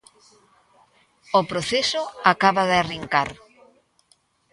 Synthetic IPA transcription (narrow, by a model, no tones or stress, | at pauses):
opɾoθesʊakaβaðɪariŋkaɾ